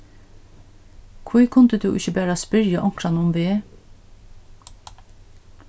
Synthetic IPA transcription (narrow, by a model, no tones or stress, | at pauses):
kʰʋʊːkʰʊnd̪əd̪ʉ̰ːʔɪçəbæːɾɑːspʏɾjəʔɔŋkɾɑnəʊmʋeː